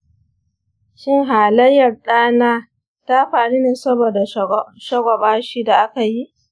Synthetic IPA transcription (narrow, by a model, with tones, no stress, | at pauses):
ʃɪ˦ŋɦaː˨lɐ˦jːɐ˨rɗaː˦naː˦ | ta˦ɸaː˨ɽi˦neː˨sɐ˦boː˨da˨ʃɐ˦ɡʷɔ˨ɓaː˦ʃiː˦da˨ʔa˦ka˨ji˦ʔ